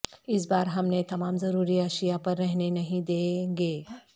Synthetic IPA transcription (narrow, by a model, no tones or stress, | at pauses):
ɪs̬baːɾɦɐmnet̪ɐmaːmzɐɾuːɾiɐːʃijapɐɾːɛɦnenɐɦĩd̪eːŋɡeː